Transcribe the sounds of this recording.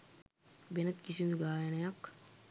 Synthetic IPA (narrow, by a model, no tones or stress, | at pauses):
benɐt̪kisind̪uɡaːjɐnɐjakː